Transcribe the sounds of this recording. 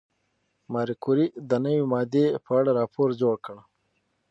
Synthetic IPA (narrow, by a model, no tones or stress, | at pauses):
maːɾikuɾid̪ənəwimaːd̪epʰaɽaɾɑːpʰoːɾd͡ʑoɽkəɳa